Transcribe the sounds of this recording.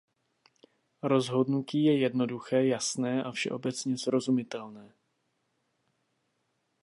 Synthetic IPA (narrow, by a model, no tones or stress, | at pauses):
ɾo̞zɦo̞dnuciːjɛjɛdno̞duxɛːjasnɛːʔafʃɛ̰ʔo̞bɛt͡sɲɛsɾo̞zumɪt̪ɛlnɛː